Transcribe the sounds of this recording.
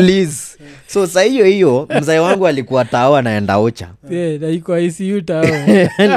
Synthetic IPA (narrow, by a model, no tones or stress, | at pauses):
lizsɔsahiɔhijɔm̩zaiwaŋɡualikuataɔanaɛnda̰ut͡ʃa̰ɛnaikɔaisiuta